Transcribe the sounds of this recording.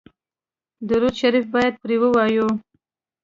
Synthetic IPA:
d̪ʊɾud̪ʃaɾifbɑjad̪̚pɾewəwɑju

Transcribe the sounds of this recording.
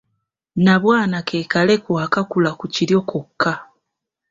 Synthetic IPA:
naβwaːnake̞ːkale̞kwaːkakulakuciɾjo̞kʰokʰːa

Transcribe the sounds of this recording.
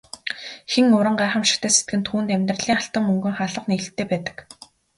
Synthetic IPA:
xeŋʊɾə̆ɴɢaːχə̆mʃɪ̥̆kt̪ʰæːset̪̚ɡɘ̆nt̪ʰuːnt̪æmʲt̪rəɮiːŋaɬt̪ə̆mːɵŋɡɘ̆ŋχaːɮə̆qneɣɘ̆ɬt̪ʰːeːpæːt̪ə̥̆k

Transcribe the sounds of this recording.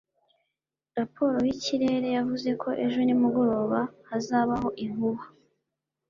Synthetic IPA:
ɾapʰo̞ːɾojiciɾe̞ːɾe̞javuze̞kʰo̞ʔe̞ʒo̞nimuɡo̞ɾo̞ːβahazaːβaɦo̞ʔiŋuβa

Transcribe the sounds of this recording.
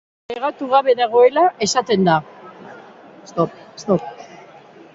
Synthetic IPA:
leɣat̪uɣaβe̞ðaɣ̞o̞e̞laʔe̞sat̪e̞nd̪a | st̪opst̪op̚

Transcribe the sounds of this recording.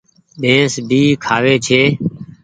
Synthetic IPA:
ɗẽːsbʱiːkʰaːʋeːt͡ʃʰeː

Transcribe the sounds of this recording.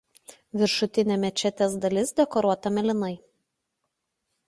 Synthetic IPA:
ʋʲɪɾʃʊt̪ʲɪnʲemʲɛt͡ʃʲɛt̪ʲeːsd̪ɐlʲɪsd̪ʲɛkɔɾuɔt̪ɐmʲɛlʲɪnɐɪ

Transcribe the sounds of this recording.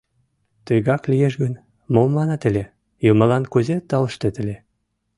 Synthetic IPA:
t̪øjɣɑklʲijeʃɡən | momlɑnɑt̪ə̆lʲe | jomə̆lɑnkuzet̪ːɑləʃt̪et̪ə̆lʲe

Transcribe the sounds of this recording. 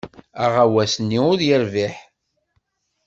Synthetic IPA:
aʁawæsənːiʊðjəɾviħ

